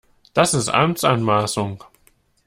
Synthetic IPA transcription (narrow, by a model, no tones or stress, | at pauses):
d̥asɪstʔa̰mt͡sʔanmaːsʊŋ